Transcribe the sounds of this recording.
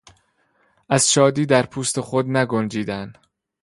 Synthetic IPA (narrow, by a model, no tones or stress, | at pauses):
ʔæz̥ʃɒːd̪iːd̪æɾpʰuːst̪e̞xod̪næɡond͡ʒiːd̪æn